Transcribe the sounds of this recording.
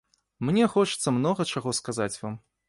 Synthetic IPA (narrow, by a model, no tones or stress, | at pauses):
mnʲɛxɔt͡ʂɨ̥t̪sːɐmnɔɣɐt͡ʂaɣɔskazat͡sʲvam